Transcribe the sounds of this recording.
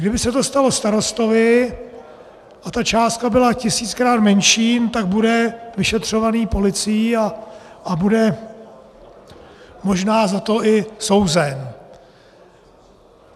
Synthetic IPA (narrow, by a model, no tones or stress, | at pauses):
ɡdɪbɪsɛt̪o̞st̪alo̞st̪aɾo̞st̪o̞vɪ | ʔat̪at͡ʃaːst̪̚kabɪlacɪsiːt͡skɾaːt̪mɛnʃiːnt̪aɡ̚budɛvɪʃɛt̪r̝̥o̞vaniːpo̞lɪt͡sɪjia | ʔabudɛ | mo̞ʒnaːzat̪o̞ʔɪso̞wzɛn